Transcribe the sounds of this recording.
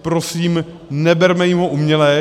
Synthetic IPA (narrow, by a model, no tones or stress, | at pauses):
pɾosiːm | nɛbɛɾmɛjimɦoʔumɲɛlɛː